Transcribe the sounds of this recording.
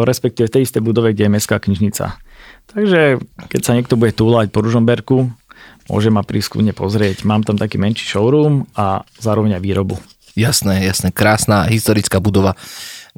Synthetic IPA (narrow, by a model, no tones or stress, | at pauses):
ɾɛspɛk̚t̪iːʋɛft̪ɛjist̪ɛjbud̪ɔʋɛɡɟɛjɛmɛskaːkɲiʒɲit͡sa̰t̪aɡʒɛkɛcsaɲɪɛk̚t̪ɔbuɟɛt̪uːlacpɔɾuʒɔmbɛɾkumʊɔ̰ʒɛmapɾiːskṵmɲɛpɔzɾɪɛcmaːmt̪amt̪akiːmɛnʃi̥ʃɔʊɾuːmazaːɾɔʋɛɲajʋiːɾɔbṵ | jasnɛjasnɛkɾaːsnaɦist̪ɔɾit͡skaːbud̪ɔʋa